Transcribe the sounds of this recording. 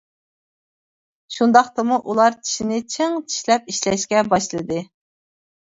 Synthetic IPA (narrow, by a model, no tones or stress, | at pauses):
ʃund̪ɑχt̪ɨmuʔulˠɑɾt͡ʃʰi̥ʃinɪt͡ʃʰeŋt͡ʃʰi̥ʃlɛp̚iʃlɛʃkʲɛbɑʃlˠɨd̪ɨ